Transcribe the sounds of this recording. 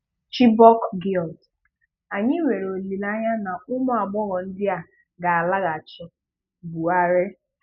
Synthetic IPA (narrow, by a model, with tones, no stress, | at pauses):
t͡ʃi˦bɔ˦kɡi˦˨lt | a˨ɲɪ˦wʷe˨ɾo˨li˨la˦ɲa˦na˨ʊ˦mʊ˦a˨ɡ͡bɔ˦ɣɔ˨n̩˦dɪ˦a˨ | ɡa˨a˨la˦ɣa˨t͡ʃɔ˨ | bu˨a˦ɾe˦